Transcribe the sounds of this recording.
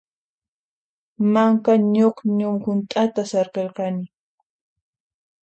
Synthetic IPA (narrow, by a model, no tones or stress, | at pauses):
maŋkaɲoχɲʊmhʊnt̪ʼat̪asɑɾqelqɑnɪ